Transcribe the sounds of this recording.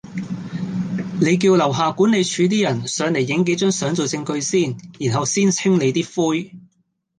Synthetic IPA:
ne˨˧jk̬iː˧wlɐ˨˩wɦaː˨˩kuː˨˥ne˨˧jt͡ʃʰyː˨˧t̪̬iː˥jɐ˨˩nsœː˨˧ŋle˨˩jːɪ˨˥ŋke˨˥jt͡ʃœ˥ŋsœː˨˥ŋt͡so˨˩wt͡sɪ˧ŋkɵ˧ɥsiː˥˩njiː˨˩nɦɐ˨wsiː˥nt͡sʰɪ˥ŋle˨˧jt̪iː˥fuː˥j

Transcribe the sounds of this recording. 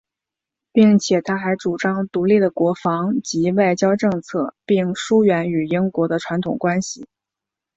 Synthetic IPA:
pi˥˩ŋt͡ɕʰjɛ˨˩t̪ʰa˥xa˧˥ɪʈ͡ʂu˨˩ʈ͡ʂɑ˥ŋt̪u˧˥li˥˩d̪ə˩kwɔ˧˥fɑ˧˥ŋt͡ɕi˧˥wa˥˩ɪt͡ɕjɑ˥ʊʈ͡ʂɤ˥˧ŋt͡sʰɤ˥˩pi˥˩ŋʂu˥ɥɛ˧˥ny˨˩i˥ŋkwɔ˧˥d̪ə˧ʈ͡ʂʰwa˧˥nt̪ʰʊ̰˨˩ŋkwa˥nɕi˨˩

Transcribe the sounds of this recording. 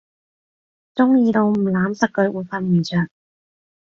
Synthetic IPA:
t͡sʊ˥ŋjiː˧t̪o˧wm̩˨˩laː˨˥msɐ˨˩kːɵ˨˧˥ʔuː˨˩jfɐ˧nmiː˨˩t͡sʰœː˨˩k

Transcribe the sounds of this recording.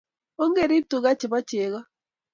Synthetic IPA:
o˦ŋɡe˦˨ɾi˦b̚tu˨ɣa˦t͡ʃɪ˨βa˦t͡ʃe˨ɣɔ˦

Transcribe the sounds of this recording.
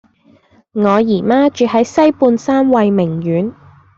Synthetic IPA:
ŋɔː˨˧jiː˨˩maː˥t͡ʃyː˨ɦɐ˨˥jsɐ˥jpuː˧nsaː˥mwɐ˨˧jmɪ˨˩ŋjyː˨˥n

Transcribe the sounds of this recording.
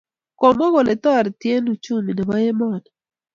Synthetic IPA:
kɔ˨mɔ˦ɣo˨lɛ˨t̪ɔ˦˨ɾt̪je˦nu˨t͡ʃu˦mi˨nɛ˨wa˦jɛ˦mɔ˦˨nɛ

